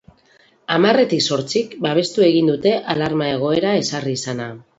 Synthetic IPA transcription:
amare̞t̪ikso̞ɾt͡sikbaβ̞e̞st̪ue̞ɣ̞ind̪ut̪e̞ʔalaɾmae̞ɣ̞o̞e̞ɾae̞sariːsana

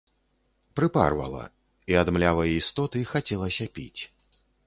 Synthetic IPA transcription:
pɾɨpa̰rvɐ̰lˠɐ̰ | iad̪mlʲavɐjist̪ɔt̪ɨixat͡sʲɛlˠɐsʲɐpʲḭt͡sʲ

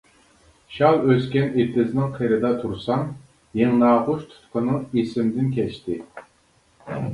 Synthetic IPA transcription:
ʃɑlˠøskʲɛnet̪ɪznɪŋqʰəjɾɨd̪ɑt̪ʰuɾsɑŋ | jeŋnɑːʁʊʃt̪ʰu̥t̪qʰənɨŋesɪmd̪ɪnkʲʰɛʃt̪ɪ

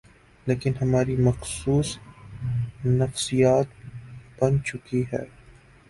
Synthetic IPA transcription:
leːkɪnɦɐmaːɾimɐxsuːs | nɐfsijaːt̪̚b̥ɐnt͡ʃʊkiɦɛ̰ː

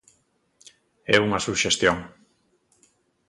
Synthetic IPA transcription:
ɛuŋɐsuʃest̪joŋ

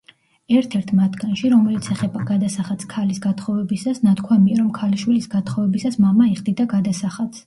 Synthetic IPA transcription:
ɛɾt̪ʰɛɾt̪ʰmat̪ʰɡ̥anʃiɾɔmɛlit̪sʰɛχɛbaɡad̪asaχat̪sʰkʰalisɡat̪ʰχɔvɛbisasnat̪ʰkʰwamiaɾɔmkʰaliʃwilisɡat̪ʰχɔvɛbisasmamaiχd̪id̪aɡad̪asaχat̪sʰ

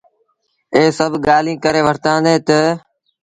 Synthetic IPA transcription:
eːsəbʱɡaːlĩːkəɾeːʋəɾt̪ãːnd̪eːt̪ə

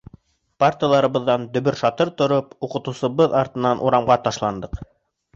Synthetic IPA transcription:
parʲtʲijalˠɑɾɤ̆βɤ̆ðːɑnd̪ɵ̆βɵɾʃɑt̪ɤɾt̪ŏɾopuqɤ̆t̪ŭwsɤ̆βɤðɑɾt̪ɤ̆nɑnʔuɾɑmɢɑt̪ɑʃlˠɑnd̪ɤq

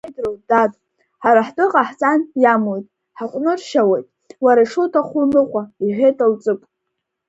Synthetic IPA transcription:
jdrodatʼ | ħaɾaħtʼɨqʼaħt͡sʼanjamojtʼ | ħaqʷʼnɨrʃawejtʼ | waɾaiʂotʰaχʷʊmɨχʷaiħʲʷᶣejtʼalt͡sʼɨpʼ

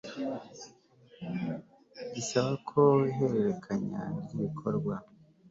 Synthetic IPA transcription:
ɟisaβakʰo̞iɦe̞ɾe̞ɾe̞kʰaɲa̰niβikʰoɾɡwa

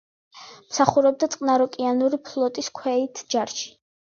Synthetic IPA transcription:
msaχuɾɛb̚d̪at̪sʼqʼnaɾɔkʼianuɾipʰlˠɔt̪ʼiskʰwɛit̪ʰd͡ʒaɾʃi̥

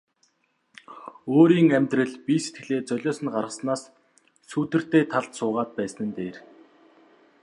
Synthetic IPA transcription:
oːɾiːŋæmʲt̪rɘ̆ɮpiset̪̚ɡɘ̆ɮeːt͡sœɮʲɔːsə̆nɢarʁə̆snaːs | suːt̪ɘ̆r̥t̪eːt̪ʰaɮt̪sʊːʁaːt̪̚pæːsnɘ̆nt̪eːr

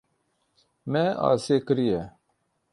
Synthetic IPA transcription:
mɛɑ̰ːseːkɨɾijɛ

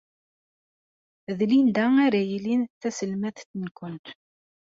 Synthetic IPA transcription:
ðlind̪ææɾæjilinθæsəlmæθθnkʷənt̪

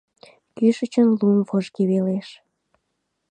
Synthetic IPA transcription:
kyʃət͡ɕənlumvoʒkeβeleʃ

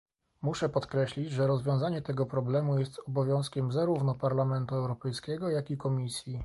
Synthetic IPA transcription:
muʂɛpɔt̪kɾɛɕlʲit͡ɕʐɛɾɔzvʲjɔ̃w̃zaɲɛt̪ɛɡɔpɾɔblɛmujɛst̪ɔbɔvʲjɔ̃w̃skʲɛmzaɾuvnɔpaɾlamɛnt̪uɛwɾɔpɛjskʲɛɡɔjakʲikɔmʲisʲji

